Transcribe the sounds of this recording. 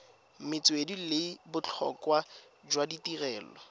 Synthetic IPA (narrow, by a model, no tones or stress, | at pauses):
mɪt͡swedilebʊt͡ɬʰɔ̰kwa | d͡ʒwaditirɛːlɔ